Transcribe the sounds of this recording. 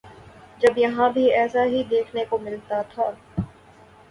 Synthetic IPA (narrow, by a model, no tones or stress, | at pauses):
d͡ʒɐbjɐɦãbʱiɛːsaɦid̪eːkʰnekomɪlt̪at̪ʰaː